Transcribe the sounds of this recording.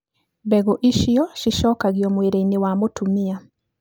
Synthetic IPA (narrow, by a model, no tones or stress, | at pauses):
bɛɡoʔiʃiɔʃiʃɔkaɣiɔmweɾeinewamotumia